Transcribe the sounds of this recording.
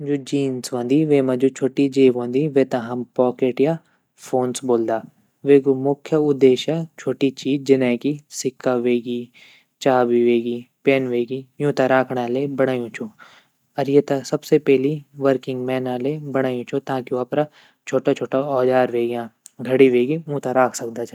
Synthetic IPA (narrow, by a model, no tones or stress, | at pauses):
d͡ʒud͡ʒiːnsʋɐ̃ːnd̪iʋeːmɐ̃d͡ʒut͡ʃʰoːʈid͡ʒeːʋɦõːnd̪iʋeːt̪ãɦɐmpɔːkeːʈja | fʰoːnsboːld̪aː | ʋeːɡomʊkʰjəʊd̪ːeːʃjat͡ʃʰoːʈit͡ʃiːd͡ʒd͡ʒɪnãːkisɪkːaʋeːɡiː | t͡ʃaːbiʋeːɡiːpeːnʋeːɡijũːt̪aɾaːkʰɽaːlebɐɽ̃aːjũt͡ʃʰo | ɐɾjet̪ɐsɐbsepɛɦliʋəɾkɪ̃ŋɡmɛːnaːlebɐɽ̃aːjũt͡ʃʰot̪ãːkiɐpɾa | t͡ʃʰoːʈat͡ʃʰoːʈaɔːd͡ʒaːɾʋeːɡjãːɡʱɐɽiʋeːɡiũːt̪aɾaːkʰsɐkd̪at͡ʃʰɛ